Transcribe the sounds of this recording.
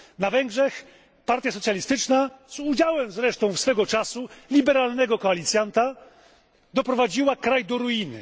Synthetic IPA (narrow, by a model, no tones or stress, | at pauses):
navɛŋɡʐɛx | paɾt̪ʲjasɔt̪sʲjalʲist̪ɘt͡ʂnaz̥ud͡ʑawɛmzɾɛʂt̪ɔ̃w̃fsfɛɡɔt͡ʂasulʲibɛɾalnɛɡɔkɔalʲit̪sʲjant̪a | d̪ɔpɾɔvad͡ʑiwakɾajd̪ɔɾuinɘ̰